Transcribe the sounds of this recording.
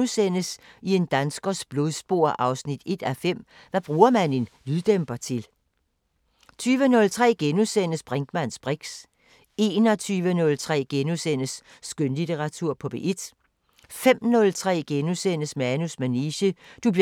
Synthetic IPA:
usen̰əsie̝nd̥ænsɡ̥ɐsb̥lo̝ðˠsb̥o̝ɐ̰ʔɑ̈ʊsnid̥e̝d̥æfem̰ | ʋæb̥ʁuːɐmæne̝nlyðˠd̥emb̥ɐt͡sʰe̝l | t͡sʰyːʋənɔ̽lt͡sʰʁɛ̰ːɡ̥enusen̰əsb̥ʁɛŋɡ̥mæn̰sb̥ʁeɡ̥s | e̝ːnɒt͡sʰyːʋənɔ̽lt͡sʰʁɛ̰ːɡ̥enusen̰əsː | ɡ̥ønlit͡sʰeʁɑ̈t͡sʰuɐ̰pʰɒ̽b̥e̝ʔed̥ | fem̰nɔ̽lt͡sʰʁɛ̰ːɡ̥enusen̰əsmeænusmæniɕəd̥ub̥

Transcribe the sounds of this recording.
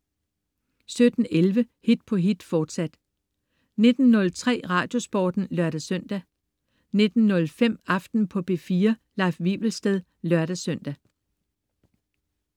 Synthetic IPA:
sød̥n̩elʋə | hid̥pʰɒ̽ɦid̥fɒːd̥sæd̥ | ne̝d̥n̩ːɔ̽lt͡sʰʁɛ̰ːʁɑ̰̈ːd̥jo̝sb̥ɒ̰ːd̥n̩lɶɐ̰ɾ̥æsœn̰d̥æ | ne̝d̥n̩ːɔ̽lfem̰ɑ̈fd̥n̩pʰɒ̽b̥e̝fiːɐ | lɑ̈ɪfʋib̥l̩sd̥eð̞ˠ | lɶɐɾ̥æsøn̰d̥æ

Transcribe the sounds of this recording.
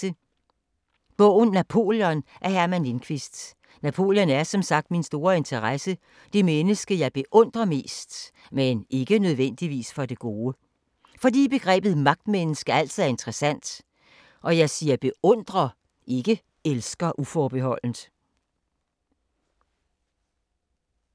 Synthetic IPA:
ə | b̥ɔʊ̰n̩ːæpʰo̝̰ːljɒ̽nʔæɐhæɐmænlenkʰʋisd̥ | næpʰo̝̰ːljɒ̽næɐsɒ̽msɑ̈ɡ̥̚d̥minsd̥o̝ːɐe̝nt͡sʰɐʁasə | d̥emenəsɡ̥əjɑ̈ɪb̥e̝ʔɔ̽n̰d̥ʁɐme̝̰ːsd̥ | mene̝ɡ̥ənøð̞ˠʋen̰d̥iʋḭːsfɒ̽d̥e̝ɡ̥o̝ːə | fɒ̽d̥ḭːb̥e̝ɡ̥ʁɛ̰ːb̥ð̩ˠmɑ̈ɡ̥̚d̥menəsɡ̥əæl̰t͡sʰiðˠæɐe̝nt͡sʰʁɛsæn̰d̥ | ʔɒ̽jɑ̈ɪsiːɐb̥e̝ʔɔ̽n̰d̥ʁɐ | ʔe̝ɡ̥ə | elsɡ̥ɐʔufɒːb̥e̝hɒ̽l̰n̩

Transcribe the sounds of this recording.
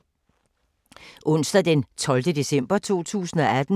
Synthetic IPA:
ʔɔ̽n̰sd̥ɐd̥ent͡sʰɒ̽ld̥əd̥e̝sem̰b̥ɐt͡sʰo̝̰ːt͡sʰṵːsn̩ɒ̽æd̥n̩

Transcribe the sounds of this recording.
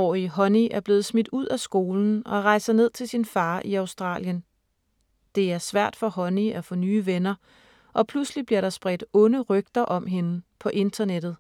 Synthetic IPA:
ɒ̰ːiɦɒ̽niʔæɐb̥le̝ːð̩ˠsmid̥uð̰ˠæsɡ̥o̝ːln̩ɒ̽ʁɑ̈ɪsɐne̝ð̞̰ˠt͡sʰe̝lsinfɑ̈ːʔiɑ̈ʊsd̥ʁɑ̰̈ːljən | d̥e̝æɐsʋæɐ̰d̥fɒ̽hɒ̽niæfɔ̽nyːʋenɐ | ʔɒ̽pʰluslib̥liɐ̰ɾ̥ɑ̈sb̥ʁɛd̥ɔ̽nəʁœɡ̥̚d̥ɐʔɒ̽mɦe̝nəpʰɒ̽ʔe̝nd̥ɐned̥ð̞̩ˠ

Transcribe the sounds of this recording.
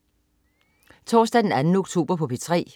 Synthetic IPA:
t͡sʰɒ̰ːsd̥æd̥enænn̩oɡ̥t͡sʰo̝̰ːb̥ɐpʰɒ̽pʰet͡sʰʁɛ̰ː

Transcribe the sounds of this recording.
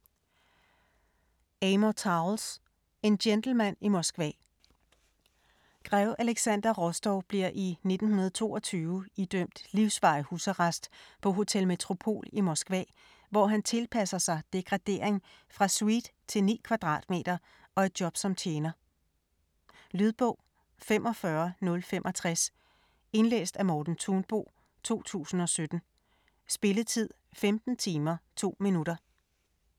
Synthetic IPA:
eɪmot͡sʰɑ̈ls | e̝ndend̥l̩mæn̰imɒsɡ̥ʋɛ̰ | ɡ̥ʁɛʊʔæleɡ̥sænd̥ɐʁɔsd̥ɒʊb̥liɐ̰ʔine̝d̥n̩hunɐð̞̩ˠt͡sʰo̝̰ːɒt͡sʰyːʊid̥øm̰d̥liʊsʋɑ̈ɪhuːsɐʁɑsd̥pʰɒ̽ɦo̝t͡sʰelme̝t͡sʰʁo̝pʰo̝̰ːlimɒsɡ̥ʋɛ̰ː | ʋɒɦænt͡sʰe̝lpʰæsɐsɑ̈ɪd̥e̝ɡ̥ʁɑ̈d̥e̝ːɐ̰eŋ | fʁɑ̈swid̥ | t͡sʰe̝lnḭːkʰʋɑ̈d̥ʁɑ̰̈ːd̥me̝̰ːd̥ɐ | ɒ̽e̝d̥̚djɒ̽b̥sɒ̽mt͡sʰjeːnɐ | lyð̞ˠb̥ɔ̰̽ʊ̰ | femʔɒ̽fɶɐnɔ̽lfem̰ʔɒ̽t͡sʰʁas | e̝nlḛːsd̥æmɒːd̥n̩t͡sʰunb̥o̝̰ː | t͡sʰo̝̰ːt͡sʰṵːsn̩ɒ̽sød̥n̩ | sb̥e̝ləðˠt͡sʰið̞̰ˠfemd̥n̩t͡sʰiːmɐt͡sʰo̝̰ːminuɾ̥ɐ

